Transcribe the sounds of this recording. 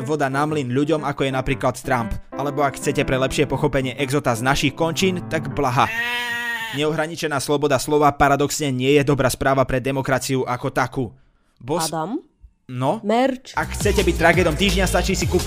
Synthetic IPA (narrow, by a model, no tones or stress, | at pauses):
ʋɔd̪anamlinʎuɟɔmakɔjɛnapɾiːklat̪t̪ɾampʔalɛbɔakxt͡sɛcɛpɾɛlɛpʃɪɛpɔxɔpɛɲɪɛʔɛɡzɔt̪aznaʃixkɔnt͡ʃiːnt̪aɡblaɦa | ɲɛɔɦɾaɲit͡ʃɛnaːslɔbɔd̪aslɔʋapaɾad̪ɔksɲɛɲɪɛjɛd̪ɔbɾaːspɾaːʋapɾɛd̪ɛmɔkɾat͡siuʔakɔt̪akuː | bɔd̪am | nɔmɛt͡ʃakxt͡sɛcɛbic̚t̪ɾaɡɛːd̪ɔmt̪iːʒɲast̪at͡ʃiːsiku